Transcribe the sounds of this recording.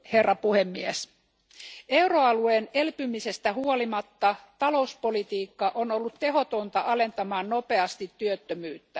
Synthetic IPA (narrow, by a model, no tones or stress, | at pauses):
he̞rːɑpuhemːies | e̞wroɑlueːnelpymise̞st̪æhuolimɑt̪ːɑt̪ɑlouspolit̪iːkːɑʔonolːut̪t̪e̞ɦo̞t̪ont̪ɑʔɑle̞nt̪ɑmɑːnnope̞ɑst̪it̪ːyøt̪ːømyːt̪ːæ